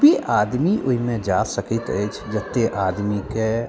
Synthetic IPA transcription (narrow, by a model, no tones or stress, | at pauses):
biʔad̪miʔoɦimẽd͡ʒasəkit̪ə̰jt͡ʃʰd͡ʒət̪ːeʔad̪mike